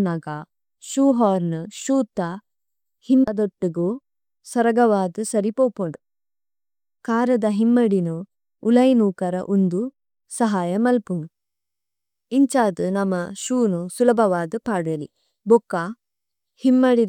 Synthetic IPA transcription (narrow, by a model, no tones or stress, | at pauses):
nɐɡa | ʃuːɦaːɾnɨʃuːt̪ːɐ | hinɐd̪oʈːuɡoː | sɐɾɐɡɐʋaːd̪usɐɾipoːpuɳɖu | kaːɾɐd̪ɐɦimːɐɽinuː | lɐjnuːkɐɾɐ̰ʔund̪u | sɐɦaːjɐmɐlpum | iɲt͡ʃaːd̪ɨnɐmːɐʃuːnusulɐbʱɐʋaːd̪upaːɽɐlḭ | bɔkːaː | himːɐɽi